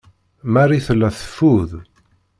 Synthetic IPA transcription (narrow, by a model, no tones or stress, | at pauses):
mæɾiθəlːæθə̥fːuð